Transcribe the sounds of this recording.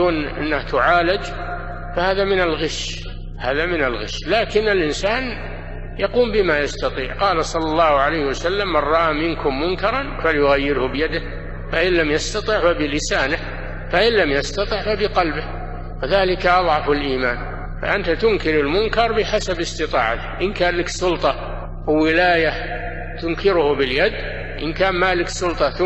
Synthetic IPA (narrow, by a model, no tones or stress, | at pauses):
uːnʔɪ̰nːaht̪ʊʕaːlɪd͡ʒ | fahaːðamɪnalɣɪʃ | haːðamɪnalɣɪ̰ʃːlaːkɪnɪlʔɪnsaːn | jɑquːmbɪmajast̪ɑt̪ˤiːʕqɑːlasˤɑlːɑlːɑːhʊʕalajhɪwasalːamːɑrˤːɑʔamɪnkʊmːʊŋkɑɾˤɑnfaljʊɣajːɪɾhʊbɪjad̪ɪh | faʔɪlːamjast̪ɑt̪ˤɪʕfabɪlɪsaːnɪh | faʔɪnlːamjɑst̪ɑt̪ˤɨʕfabɪqɑlbɪh | wɪðaːlɪkaʔɑðˤʕɑfalʔiːmaːn | fa̰ʔant̪at̪ʊŋkɪɾɪlmʊŋkɑɾˤbɪħasabɪst̪ɪt̪ˤɑ̰ːʕat̪ɪ̥ʔɪnkaːlɪksʊlt̪ˤɑ | wɪwɪlaːja | t̪ʊŋkɪɾʊhʊbɪljad̪ | ʔɪnkaːnmaːlɪksʊlt̪ˤɑt̪